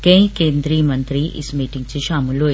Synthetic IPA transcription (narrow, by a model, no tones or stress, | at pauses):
kẽj̃keːnd̪ɾijmɐnt̪ɾiʔḭsmiːʈiŋɡ̚t͡ʃiʃaːmulo